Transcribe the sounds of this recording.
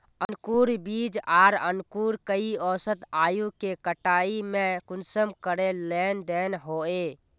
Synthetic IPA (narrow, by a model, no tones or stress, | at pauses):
ənkuɾbid͡ʒaːɾə̰nkuɾkəiɔsət̪aːjukekəʈaimekunsəmkəɾelend̪enɦoe